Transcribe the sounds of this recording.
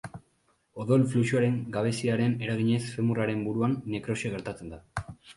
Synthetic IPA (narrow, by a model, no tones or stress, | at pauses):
o̞ðo̞lflut͡ʃuaɾe̞ŋɡaβ̞e̞siaɾe̞ne̞ɾaɣ̞iɲe̞sfe̞muraɾe̞mbuɾuanːekɾo̞ʃeɣ̞e̞ɾt̪at͡se̞nd̪a